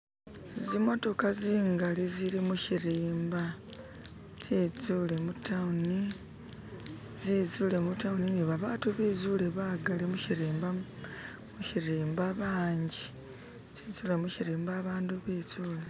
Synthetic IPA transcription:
zimo̞to̞kaziːŋɡaliziɾimuʃiɾiːmba | zizule̞mutʰauni | zizuːle̞mutaunioβaβaːtuβiːzuːle̞βaːɡalemuʃiɾiːmba | muʃiɾiːmbaβaːɲɟi | zizuːle̞muciɾiːmbaːβaːnduβizuːle

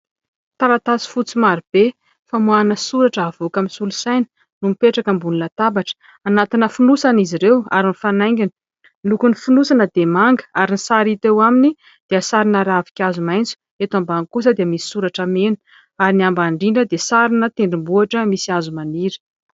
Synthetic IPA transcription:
t̪alat̪at͡si̥fut͡simaɾib̥e | famuanəsuɾaʈ͡ʂəavokamisulusajnə̥ | numipeʈ͡ʂakəmbuninət̪abaʈ͡ʂə̥ | anat̪inəfunusaniziɾewa̰ɾinifanajŋɡʲini̥ | lukunifinusanəd̪emaŋɡə̥aɾinisaɾit̪ewamini | d̪̥eəsaɾinəɾavi̥kʲazumajnt͡su̥ | et̪ambaŋkus̬əd̪eəmisi̥suɾaʈ͡ʂamenə̥ | aɾiniambaɳɖ͡ʐiɳɖ͡ʐəd̪esaɾinət̪eɳɖ͡ʐimbuaʈ͡ʂəmisiazumaniɾə̥

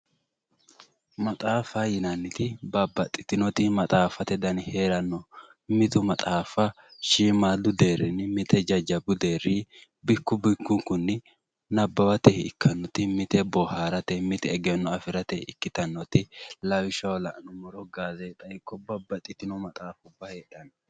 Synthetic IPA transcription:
mɐt̪ʼaːfajɪnɐnːɪt̪ɪbɐbːɐt̪ʼːɪt̪ɪnɔt̪ɪmɐt̪ʼaːfɐt̪ɛd̪ɐnhe̞ːɾɐnːɔ | mɪt̪ʊmɐt̪ʼaːfɐ | ʃiːmaːd̪ʊd̪e̞ːɾːɪnɪmɪt̪ɛd͡ʒɐd͡ʒɐbʊd̪e̞ːɾːɪ | bɪkːʊbɪkːʊŋkʊnːɪ | nɐbːɐbɐt̪ɛhɪkʰːɐnːɔt̪ɪmɪt̪ɛbɔhaːɾɐt̪ɛmɪt̪ɛːɡɛnːɔɐfɪɾɐt̪ɛɪkːɪt̪ɐnːɔt̪ɪlɐwɪʃɐwlɐʔnɔmɔɾɔɡaːzeːt̪ʼɐɪkːɔbɐbɐt̪ʼːɪt̪ɪnɔmɐt̪ʼaːfʊbːɐheːɗɐnɔ

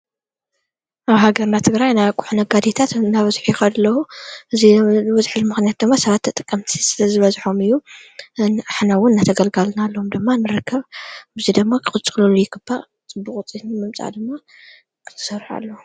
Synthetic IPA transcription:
ʔaβɦaɡɐɾnat̪ʰɨɡɾajnajkʼuħnɐɡad̪et̪ʰat̪naβɐzħujɪxɐd̪lːɐwuʔɨziβɐzħɨlmɨxnijat̪̚d̪ɨmːasɐβat̪ʰːɐt̪ʼɨkʼːɐmt̪ʰisɨlɐzɨβɐzħo̞mɨjːu | nʔaħnawʊnnːat̪ʰɐɡɐlɡalnalːoomd̪ɨmːanɨɾɨkʰːɐβbzid̪ɨmːakʰɨxʼɨlt͡sʼɨlulujɪɡɨba | t͡sʼɨbuqʼt͡sʼinmɨmt͡sʼa̰d̪ɨmːa | kʰɨt̪ʰɨ̥sɐɾħa̰lːɐ

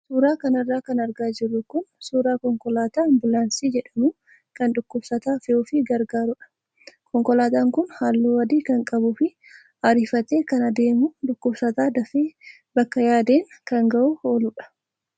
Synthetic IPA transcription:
suːɾaːkɐnɐrːaːkɐnɐɾɡaːd͡ʒɪrːʊkʊnsuːɾaːkɔŋkɔlaːt̪aːnbʊlaːnsiːd͡ʒɛᶑɐmʊ | kɐnᶑʊkːʊbsɐt̪aːfɛuːfɪɡɐɾɡaːɾʊᶑɐ̥ | kʰɔŋkɔlaːt̪aːŋkʊnhaːlːuːwɐd̪iːkɐŋkʼɐbʊfɪ | ɐɾɪfɐt̪e̞ːkɐnɐd̪e̞ːmʊᶑʊkːʊbsɐt̪aːd̪ɐfeː | bɐkːɐjaːd̪e̞ːŋkɐŋɡɐʔʊhoːlʊᶑɐ̥

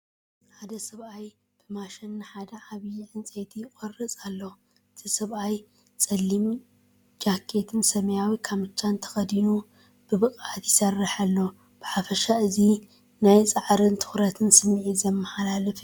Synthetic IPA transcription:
ħad̪ɐsɐβaj | b̥ɨmaʃɐnːɨħad̪ɐʕaβjiʕɨnt͡sʼet̪ʰikʼorɨt͡sʼalːo | ɨt̪ʰisɐβʔaj | t͡sʼɐlːimun | d͡ʒakʰːe̞t̪ʰɨnsɐmɐjawikʰamɨt͡ʃːant̪ʰɐ̥xɐd̪inu | b̥ɨβɨkʼat̪jɪsɐrːɨħalːo | b̥ɨħafɐʃaɨzi | najt͡sʼaʕɾɨnt̪ʰɨ̥xɾɐt̪ʰɨnsɨmːiʕizɐmːɐħalalɐf

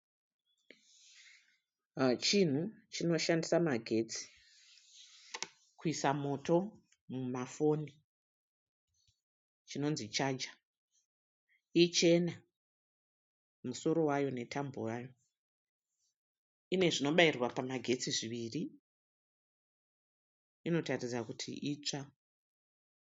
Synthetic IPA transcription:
t͡ʃin̤ut͡ʃino̞ʃandisamaɡʱe̞t͡si̥ | kuisamo̞tʰo̞ | mumafo̞ni | t͡ʃino̞nzit͡ʃaːd͡ʒa | it͡ʃe̞na | muso̞ɾo̞wajo̞ne̞tʰambojaːjo̞ | ne̞ʐino̞ɓairwapamaɡʱe̞t͡siʐiʋiri | ino̞tarid͡zakutʰḭʔit͡ʂa

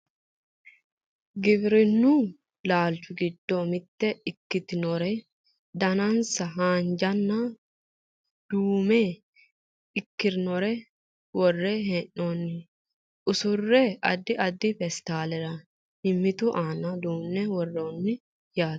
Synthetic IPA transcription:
ɡɪbɾɪnːʊ | laːlt͡ʃʊɡɪd̪ːomɪt̪ːɛɪkːɪt̪ɪnɔɾɛ | d̪ɐnɐnsɐɦaːnd͡ʒɐnːɐ | d̪̥uːmɛ | ɪkːɪɾnɔɾɛ | wɔrːɛɦɛnːonːɪ | ʔʊsʊrːɛʔɐd̪ːɪʔɐd̪ːɪfɛst̪aːlɛɾɐ | hɪmːɪt̪ʊʔaːnɐd̪uːnːɛwɔrːoːnːɪ | jḁː

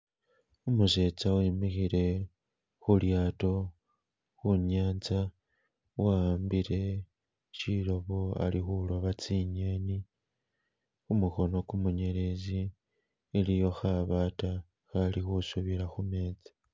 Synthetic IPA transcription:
umuʃe̞t͡sawemixiɾe̞ | xuljaːto̞ | xuɲaːnt͡sa | wambiɾe̞ | t͡ʃiɾo̞βoa̰lixuloβat͡siɲeni | umuxo̞no̞kumuɲe̞ɾe̞zi | elijo̞xaβaːta | xalixusuβiɾaxume̞ːt͡si̥

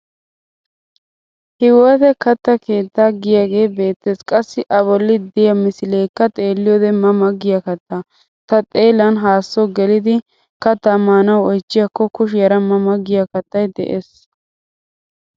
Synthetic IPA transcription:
hɪwɔt̪ɛkɐt̪ːɐke̞ːt̪ːaːɡɪjaːɡe̞ːbe̞ːt̪ːeːskʼɐsːɪʔɐβɔlːɪd̪ɪjɐmɪsɪleːkːɐt̪ʼe̞ːlːɪjɔːd̪ɛmɐmɐɡɪjɐkɐt̪ːaː | t̪ɐt̪ʼe̞ːlɐnɦaːsːɔɡɛlɪd̪ɪ | kɐt̪ːɐmaːnɐwɔjt͡ʃːɪjakːɔkʊʃ̬jɐɾɐmɐmɐɡːɪjakɐt̪ːɐjd̪ɛ̰ʔeːs

